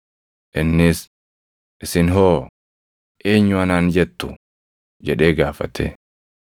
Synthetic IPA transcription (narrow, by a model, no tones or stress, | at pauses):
ʔɪnːɪs | ʔɪsɪnɦoː | ʔeːɲːʊɐnaːnd͡ʒɛt̪ːʊ | d͡ʒɛᶑe̞ːɡaːfɐ̰t̪ʰḛ